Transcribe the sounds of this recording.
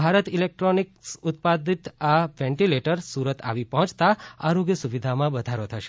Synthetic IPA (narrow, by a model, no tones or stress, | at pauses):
bʱaɾət̪ilek̚ʈɾoniksʊt̪̚pad̪it̪aʋɛ̃ɳʈileʈəɾsuɾət̪a̰ʋipəɦɔ̃t͡ʃt̪aa̰ɾoɡjəsuʋid̪ʱamãbəd̪ʱaɾot̪ʰəʃe̥